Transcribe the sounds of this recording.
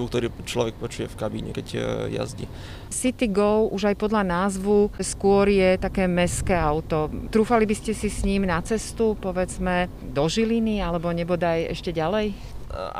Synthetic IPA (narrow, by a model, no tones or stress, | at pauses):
uk̚t̪ɔɾiːt͡ʃlɔʋɛk̚pɔt͡ʃujɛfkabḭɲɛ̰kɛcja̰zɟḭ | sit̪iɡɔʊuʒajpɔd̪ʎanaːzʋuskʊɔɾjɛt̪akɛːmɛskɛːaʊt̪ɔt̪ɾuːfalibiscɛsisɲiːmnat͡sɛst̪upɔʋɛd͡zmɛ | d̪ɔʒilinialɛbɔɲɛbɔd̪ajɛ̰ʃcɛɟalɛj